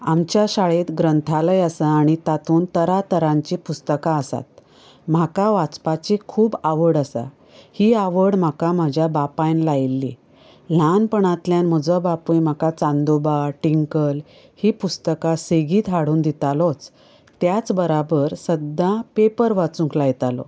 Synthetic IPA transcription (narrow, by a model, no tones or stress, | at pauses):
amt͡ɕjaɕaɭet̪ɡɾənt̪ʰaləjasəaɽ̃it̪at̪ʰuːnt̪əɾat̪əɾãɲt͡ɕipust̪əkaəsa̰t̪ | m̤akaʋat͡spat͡ɕikʰuːbaʋəɽəsa̰ | hiːaʋəɽm̤akam̤ad͡ʑʱjabapajnlajilːḭ | l̤anpəɳat̪ljanm̤əd͡zəbapujm̤akat͡sãnd̪ubaʈiŋkəl | hiːpust̪əkaseɡiːt̪ɦaɽ̤uːnd̪it̪alɔt͡s | t̪jat͡sbəɾabəɾsəd̪ːãpepəɾʋat͡sũŋklajt̪alɔ̰